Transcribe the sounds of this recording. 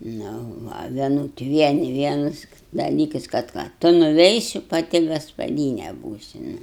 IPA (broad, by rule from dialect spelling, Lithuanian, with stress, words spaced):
nʊ ˈʋɐ ʋʲiɛˈnʊt ˈʋʲiɛnʲɪ ˈʋʲiɛnɐs dɐˈlʲiːkɐs kɐt ˈkɑː ˈtʊ nʊˈʋʲɛɪsʲɪ pɐˈtʲɪ ɡɐspɐˈdʲiːnʲɛ ˈbuːsʲɪ nʊ